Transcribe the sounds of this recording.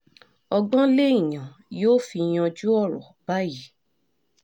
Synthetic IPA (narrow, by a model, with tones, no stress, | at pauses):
ɔ˧ɡ͡bɔ̃˦le˦ĩ˦˨j̃ã˨joː˦fi˧j̃ɔ̃˧d͡ʒu˦ɔ˦˨ɾɔ̰˨b̥a˦ji˨˦